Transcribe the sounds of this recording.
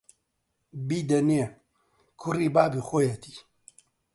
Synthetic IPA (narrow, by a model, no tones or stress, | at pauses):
biːd̪ɐneː | kʰʊriːbaːbixoːjɐt̪i̥